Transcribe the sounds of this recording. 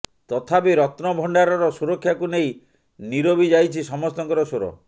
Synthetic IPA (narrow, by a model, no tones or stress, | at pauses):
t̪ɔt̪ʰapeɾɔt̪nɔbʱɔɳɖaɾɔɾɔsuɾɔkʰːjakunej | niɾobʱid͡ʒajt͡ʃʰisɔmɔst̪ɔŋkɔɾɔsoɾɔ̰